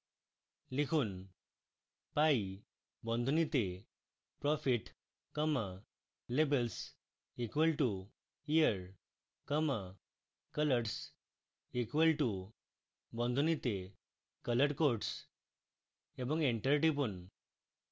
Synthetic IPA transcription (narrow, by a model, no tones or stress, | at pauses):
likʰuːn | pai | bɔ̃nd̪ʱunit̪e | pɾɔfiʈ | kəma | lebəls | ikʋəlʈu | ijəɾ | kəma | kələʈs | ikʋəlʈu | bɔ̃nd̪ʱunit̪e | kələʈkoɾʈs | ebə̃ŋɡeɳʈəɾiʈip̬uɳ